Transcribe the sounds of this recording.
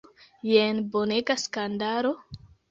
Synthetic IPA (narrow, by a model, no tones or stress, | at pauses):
jenboneɡaskandaɾo